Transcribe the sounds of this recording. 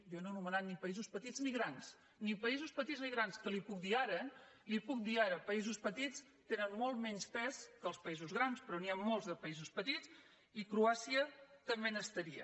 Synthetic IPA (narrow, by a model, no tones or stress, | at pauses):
jononumənat̪nipəizuspət̪id͡zzniɣɾans | nipəizuspət̪izniɣɾanskəlipuk̚d̪iaɾə | lipuk̚d̪iaɾəpəizuspət̪it͡s | t̪enənmolˠt̪mɛɲspɛskəlˠspəizuzɣɾanspɾɔniammolˠzðəpəizuspət̪it͡s | ikɾuasiət̪əmbenəst̪əɾiə̰